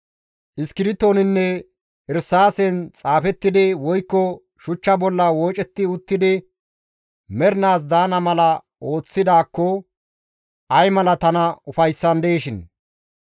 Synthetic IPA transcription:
ʔɪskɪɾɪt̪ːo̞ːnɪnːɛ | ɪɾsaːsɛnt͡sʼaːfɛt̪ːɪd̪ɪwɔjkːɔ | ʃʊt͡ʃːɐbɔlːɐwoːt͡ʃʼɛt̪ːɪʊt̪ːɪd̪ɪ | mɛɾnaːs̬d̪aːnɐmɐlɐ | ʔo̞ːt͡sːɪd̪aːkːɔ | ʔɐjmɐlɐt̪ɐnɐʊfɐjsːɐnd̪eːʃɪn

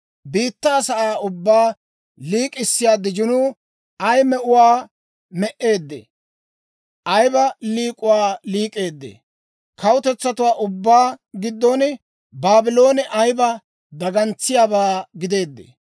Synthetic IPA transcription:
biːt̪ːaːsɐʔaːʊbːaː | liːkʼɪsːɪjaːd̪ɪd͡ʒɪnuː | ɐjmɛʔʊwaː | mɛʔe̞ːd̪ːḛ | ʔɐjbɐliːkʼʊwaːliːkʼe̞ːd̪ːḛ | kʰɐwʊt̪ɛt͡sːɐt̪ʊwaːʔʊbːaːɡɪd̪ːonɪ | baːbɪlo̞ːnɛʔɐjbɐ | d̪ɐɡɐnt͡sːɪjaːbaːɡɪd̪e̞ːd̪ːḛ

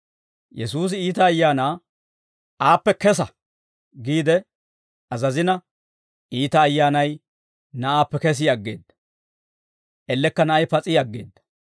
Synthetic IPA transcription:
jɛsuːs̬ɪiːt̪ɐːjːaːnaː | ʔaːpːɛkɛsɐ | ɡiːd̪ɛ | ɐzɐzɪnɐ | iːt̪ɐːjːaːnɐj | nɐʔaːpːɛkɛs̬ɪjɐɡːeːd̪ːɐ̥ | ʔɛlːɛkːɐnɐʔɐjpɐt͡sʼɪjaɐɡːḛːd̪ːɐ̥

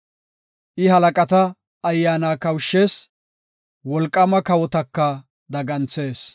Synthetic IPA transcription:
ʔɪɦɐlɐkʼɐt̪ɐː | jːaːnaːkɐwʃːe̞ːs | wɔlkʼːɐmɐkɐwɔt̪ɐkːɐ | d̪ɐɡɐnt͡se̞ːs

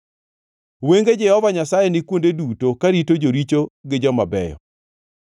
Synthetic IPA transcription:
weŋɡed͡ʒɛhɔvaɲasajenɪkwondedutokaɾitod͡ʒoɾit͡ʃoɡɪd͡ʒɔmabɛjɔ̰

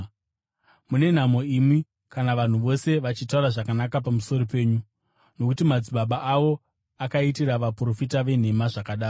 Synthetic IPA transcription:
mune̞n̤amo̞imwi | kanaʋan̤uʋo̞se̞ʋat͡ʃitauɾaʐakanakap̬amuso̞ɾo̞pe̞ːɲu | no̞kutimad͡ziɓaɓaʔaʋo̞ | akaitiɾaʋapuro̞fitaʋe̞n̤e̞maʐakaɗaːr

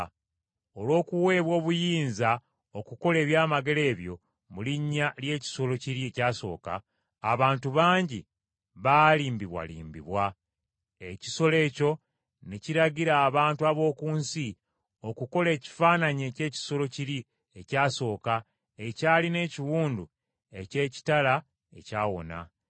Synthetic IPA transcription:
o̞lwo̞ːkuwe̞ːβwo̞ːβujiːnza | okuko̞le̞ːβjaːmaɡe̞le̞ːβjo̞̰ | muliɲːalje̞ːci̥so̞lo̞ciɾiecaːso̞̰ːka̰ː | βaːntuβaːɲɟi | βaliːmbiβwa̰lḭːmbḭβwa | e̞ci̥so̞le̞ːco̞ | niciɾaɟiɾaːβaːntuaβo̞ːkuːnsi | o̞kuko̞le̞ːci̥faːnaɲe̞ce̞ːci̥so̞lo̞ciɾi | e̞caːso̞ːka | e̞caːline̞ːciwuːndu | e̞ce̞ːci̥tala | e̞̰caːwo̞̰na̰

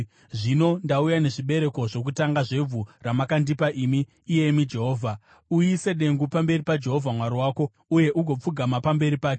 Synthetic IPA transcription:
ʐino̞ndaujane̞ʐiɓe̞ɾe̞ko̞ʐo̞k̬utaŋɡaʐe̞b͡vʱuramakandipaʔiːmiː | je̞mid͡ʒe̞ɦo̞ːvʱa | ujise̞ɗe̞ŋɡupambe̞ripad͡ʒe̞ɦo̞vʱamwaɾiwaːko̞ | uje̞ʔuɡʱo̞p͡fuɡʱamapambe̞ɾipaːke

